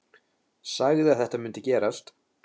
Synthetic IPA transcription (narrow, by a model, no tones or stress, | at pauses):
saːɣðɪaðθɛht̪amʏnt̪ɪcɛːɾast̪